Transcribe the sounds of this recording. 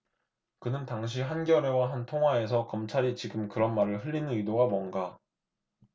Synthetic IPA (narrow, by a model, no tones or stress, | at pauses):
kɯnɯntaŋɕ̬ʰiɦanɡjʌɾwe̞waɦantʰoŋɦwae̞sʰʌkʌmt͡ɕʰaɾit͡ɕiɡɯmkɯɾʌnmaɾɯɭɦɯʎːinɯnɯidoɡamwʌnɡa